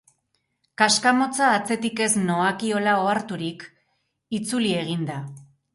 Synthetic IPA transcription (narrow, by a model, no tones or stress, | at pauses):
kaskamo̞t͡saːt͡se̞t̪ike̞sno̞akio̞lao̞aɾt̪uɾik | it͡sulie̞ɣ̞ind̪a